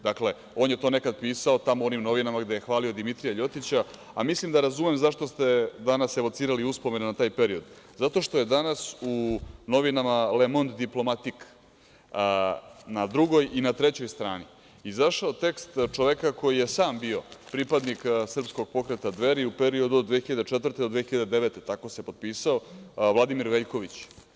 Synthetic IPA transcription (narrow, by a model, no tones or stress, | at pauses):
d̪akle̞ | o̞ːnjet̪o̞ːne̞kad̪̚piːsao̞t̪amoonimno̞ʋinamaɡd̪e̞jexʋaːlio̞d̪imit̪ɾijaʎo̞t̪it͡ɕa | amislimd̪aɾazumemzaʃt̪o̞st̪e̞d̪anase̞ʋot̪siːɾaliuspo̞me̞nonat̪aːjpe̞ɾio̞d̪zat̪o̞ʃt̪o̞je̞d̪anasuno̞ʋinamale̞mo̞nd̪d̪iplˠo̞mat̪ik | nad̪ɾuɡo̞jʔinat̪ɾe̞t͡ɕo̞jst̪ɾa̰ːni | izaʃaot̪e̞kst̪t͡ʃoʋekakojije̞saːmbio̞pɾipad̪niksr̩psko̞ɡ̚po̞kɾet̪ad̪ʋe̞ɾiupe̞ɾio̞d̪uod̪ʋexiʎad̪et͡ʂet̪vər̩t̪e̞d̪od̪ʋexiʎad̪ed̪e̞ʋet̪et̪ako̞se̞po̞d̪̚piːsao̞ʋlad̪imiɾʋeʎko̞ʋit͡ɕ